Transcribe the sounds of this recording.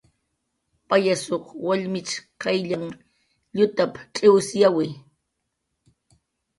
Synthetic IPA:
pajasoχwaʎmɪt͡ʃkajʎaŋ | ʎʊt̪apʈ͡ʂʼɪwsjawɪ

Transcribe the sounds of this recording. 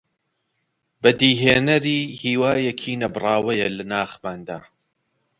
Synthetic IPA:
bɐd̪iːɦeːnɐɾiːhiːwaːjɛkʰiːnɐbɨrˤɑːwɐjɐlɐnaːxmaːnd̪a̰ː

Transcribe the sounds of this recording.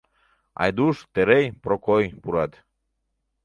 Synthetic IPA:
ɑ̰jd̪uʃt̪eɾejpɾokojpuɾɑt̪

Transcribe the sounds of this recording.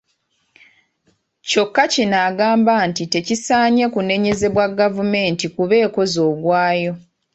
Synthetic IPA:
co̞kːacinaːɡaːmbantite̞cisaːɲe̞kune̞ɲe̞ze̞βwaɡavume̞ːntikuβe̞ːko̞zo̞ːɡwaːjo̞

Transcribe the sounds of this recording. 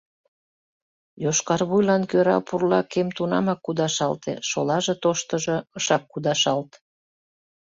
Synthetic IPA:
joʃkɑrβujlɑnkøɾɑ̰purlɑkemt̪unɑ̰mɑkːud̪ɑʃɑlt̪ḛʃo̰lɑʒet̪oʃt̪əʒɤ̆əʃɑkːud̪ɑʃɑlt̪

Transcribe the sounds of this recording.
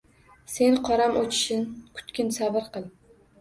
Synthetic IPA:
se̞nqʰɒɾamʔot͡ʃʰɪ̥ʃɪnkʰʊ̥t̪kʲʰɪnsabɪɾqɨlˠ

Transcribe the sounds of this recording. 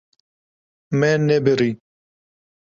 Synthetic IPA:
mɛnɛbɨɾi

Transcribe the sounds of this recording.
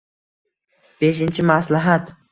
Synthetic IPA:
b̥eʃɪnt͡ʃʰɪmaslaɦat̪

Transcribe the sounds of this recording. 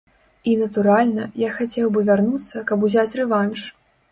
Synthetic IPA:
inɐt̪uɾalʲnɐjaxat͡sʲɛwbɨvʲarnut̪sːɐkɐbuzʲat͡sʲrɛvanʂ

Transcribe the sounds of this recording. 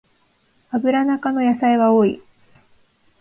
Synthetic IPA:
abɯ̟ɾanakano̞jasaiβao̞ːḭ

